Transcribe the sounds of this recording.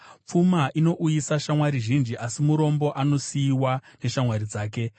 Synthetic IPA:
p͡fumaʔino̞ʔujisaʃamwaɾiʒind͡ʒiʔasimuɾo̞mbo̞ʔano̞siːwane̞ʃamwaɾid͡zaːke̞

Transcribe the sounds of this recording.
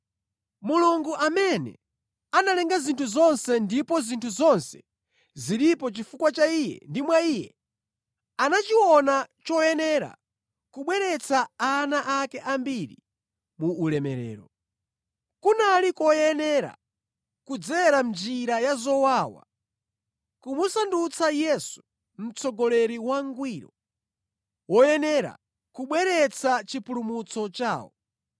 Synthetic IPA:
muluŋɡuʔamɛnɛ̰ | analɛŋɡazintʰuzɔnsɛndipɔzintʰuzɔnsɛ̥ | ziɾipɔt͡ʃifukwat͡ʃaijɛ̰ndimwaiːjɛ | anat͡ʃiwɔnat͡ʃɔjɛnɛɾa̰ | kuɓwɛɾɛt͡saanaʔakɛʔambiɾi | muʔːlɛmɛɾɛ̰ːɾɔ | kunalikɔjɛnɛɾa̰ | kud͡zɛɾamd͡ʒiɾajazɔwaːwa̰ | kumusandut͡sajɛsu̥ | m̩t͡sʰɔɡɔlɛɾiwaŋɡwiːɾɔ | wɔjɛnɛɾa̰ | kuɓwɛɾɛt͡sat͡ʃipʰulumut͡sɔt͡ʃa̰ːwɔ

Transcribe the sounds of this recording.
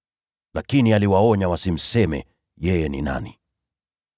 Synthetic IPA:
lakinialiwaɔɲawasim̩sɛmɛ̰ | jɛjɛnḭna̰ni

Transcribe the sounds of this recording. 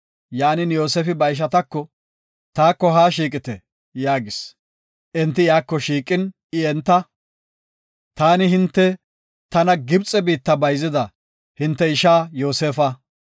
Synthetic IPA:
jaːnɪnjo̞ːseːfɪbɐɪʃ̬ɐt̪ɐkːɔ | t̪aːkːɔɦaːʃiːkʼɪt̪ɛ | jaːɡɪs | ʔɛnt̪ːɪjaːkːɔʃiːkʼɪn | ɪɛnt̪ːɐ | t̪aːnɪɦɪnt̪ːɛ | t̪ɐnɐɡɪbt͡sʼːɛbiːt̪ːɐbɐjzɪd̪ɐ | hɪnt̪ːɛɪʃaːjo̞ːseːfɐ

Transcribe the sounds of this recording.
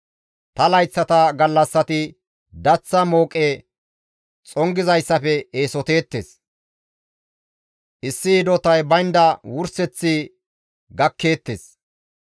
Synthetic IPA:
t̪ɐlɐjt͡sːɐt̪ɐɡɐlːɐsːɐt̪ɪ | d̪ɐt͡sːɐmo̞ːkʼe | t͡sʼɔŋɡɪzɐjsːɐfɛeːsɔt̪e̞ːt̪ːḛːs | ʔɪsːɪːd̪ɔt̪ɐjbɐjnd̪ɐwʊɾsɛt͡sːɪ | ɡɐkːe̞ːt̪ːeːs

